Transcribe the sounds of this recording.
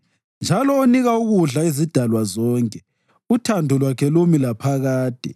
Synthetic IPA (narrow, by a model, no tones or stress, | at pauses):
nd͡ʒʱalɔoniɣauɣuɮaizid̥ʱalwazɔːŋkʼɛ | utʰandʱɔlwakʰɛlomilapʰaɣaːd̥ʱɛ̰